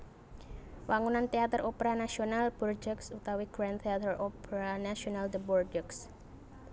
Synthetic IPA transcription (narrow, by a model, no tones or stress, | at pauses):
wʔaŋunant̪eat̪ərʔopəɾanasionalb̥ɔrd͡ʒəksut̪awiɡ̥ɾant̪eat̪əropəɾanasionald̪əbɔrd͡ʒəks